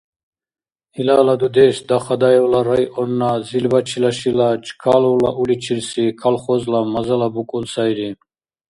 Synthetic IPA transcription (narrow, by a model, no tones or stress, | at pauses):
hilalad̪ud̪ɛːsd̪aχad̪aɛwlaɾajʔɔnːazilbat͡ʃʰilaʃilat͡ʃʰʼkʰalɔwlaʔulit͡ʃʰilsikʰalχɔzlamazalabukʼunsajɾi